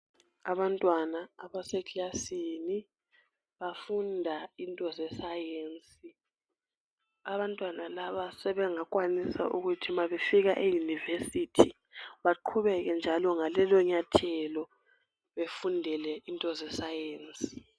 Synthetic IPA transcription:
aβantʼwanaːβasɛklasini | βafundʱaintʼɔzɛsajeːnt͡sʼi | aβantʼwanalaβasɛβɛŋakʼwanisa̰ʔuɣutʰimaβefiɣaʔejunivesitʰi | βaǃʰuβɛɣɛnd͡ʒʱalɔŋalɛlɔɲatʰɛlɔ | βefundʱɛlɛintʼɔzɛsajeːnt͡sʼi̥

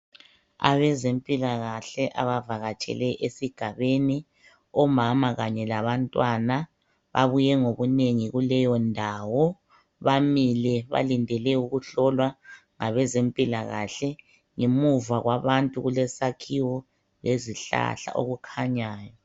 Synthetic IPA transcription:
a̰βɛzempʼilaɣaɬɛʔaβavaɣat͡ʃʼɛ̰lɛʔesiɡ̥ʱaβeni | ɔmamaɣaɲɛlaβantʼwana | βa̰βujɛŋoβuneŋiɣulɛjɔndʱawɔ | βamilɛβa̰lindʱɛlɛuɣuɬɔlwa | ŋaβɛzempʼilaɣaɬɛ | ŋemuvaɣwaβantʼuɣulɛsakʰiwɔ | leziɬa̰ɬa̰ʔo̰ɣukʰaɲaːjɔ

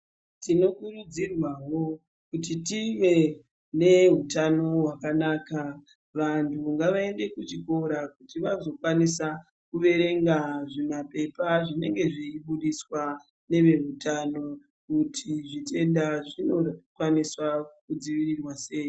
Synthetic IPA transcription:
tino̞kurud͡zirwawo̞ | kut̬itiʋe̞ | ne̞ɦutano̞ɦwakanaːka | ʋantʰuŋɡaʋae̞nde̞kut͡ʃiko̞ɾakutiʋazo̞kwanisa | kuʋe̞ɾe̞ŋɡaʐimape̞paʐine̞ŋɡe̞ʐiiɓuɗiswa | ne̞ʋe̞ɦutano̞ | kutʰiʐite̞ndaʐino̞kwaniswakud͡ziʋirirwase̞ːjo

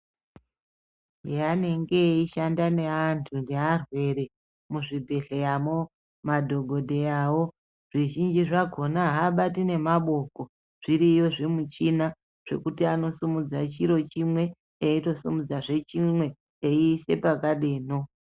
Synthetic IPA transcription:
ɦeane̞ŋɡe̞iʃandane̞antʰundearwe̞ɾe̞ | muʐibʱe̞ɮe̞jamo | madʱo̞ɡʱo̞dʱe̞aːwo̞ | ʐ̥iʒind͡ʒiʐaɡʱo̞naɦaɓatine̞maɓo̞ko̞ | ʐ̥iɾijo̞ʐemut͡ʃina | ʐ̥e̞̰kutiano̞sumud͡zat͡ʃiɾo̞t͡ʃimwe̞ | eito̞sumud͡zaʐe̞t͡ʃimwe̞ː | ise̞̰pakaɗe̞ːno̞

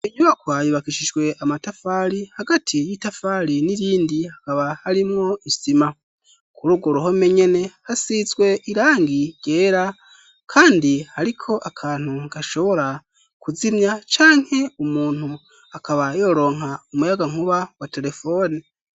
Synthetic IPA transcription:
iɲuβakwajuβakiʃid͡ʒɡwe̞ʔamatafaɾihaɡatʰijitafaːɾiniɾiːndihakaβahaɾimŋo̞isima | kʰuɾuɡuɾohome̞ɲe̞ne̞hasizɡwe̞ʔiɾaːŋɡiɟ̥e̞ːɾa | kʰaːndihaɾikʰo̞ʔakʰaːn̥huŋɡaʃo̞βo̞ɾa | kuzimɲat͡ʃaːŋ̥he̞umuːn̥hu | akʰaβajo̞ɾo̞ːŋ̥aumujaɡaŋ̥uβawate̞ɾe̞fo̞ːni

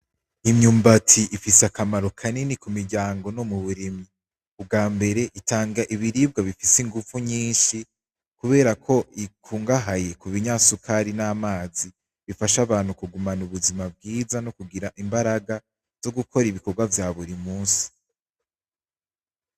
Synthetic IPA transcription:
imɲuːmbatʰiʔifiseakamaɾo̞kʰaninikumiɾɟaːŋɡo̞no̞muβuɾimi | ub̚ɡaːmbe̞ɾe̞ʔitʰaːŋɡaʔiβiɾib̚ɡaβifisiŋɡuvuɲiːnʃi | kuβe̞ːɾakʰo̞ʔikʰuːŋɡaɦaje̞kuβiɲasukʰaɾinaːmaːzi | βifaʃaβaːn̥hukuɡumanuβuzimab̚ɡiːzanokuɡiɾaʔimbaɾaɡa | z̥o̞ɡukʰo̞ɾiβiko̞ɡwavjaːβuɾimuːsi̥

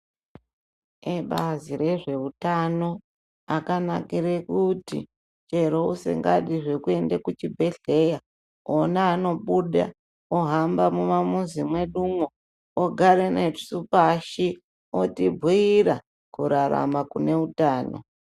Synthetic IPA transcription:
eɓaziɾe̞ʐe̞utano̞ | akanakiɾekutḭ | t͡ʃe̞ɾousḛŋɡaɗiʐekue̞ndekut͡ʃibʱe̞ɮe̞ja | onaːno̞ɓuɗa̰ | oɦambamumamuzimwe̞ɗumwo | oɡʱaɾenesupaʃi | otibʱiiɾa | kuɾaɾa̰makune̞utaːno̰

